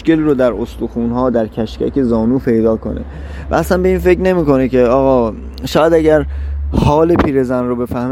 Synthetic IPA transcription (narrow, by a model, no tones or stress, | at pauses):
ke̞liɾod̪æɾost̪uxuːnɦɒːd̪æɾcʰæʃcæ̰ce̞zɒːnuːpʰe̞jd̪ɒːkʰo̞̰nḛ | væ̰æsænbe̞iːnfe̞cne̞miːko̞nece̞ɒːɣɒː | ʃɒːjæd̪æɟæɾhɒːle̞pʰiːɾe̞zænrobe̞fæhm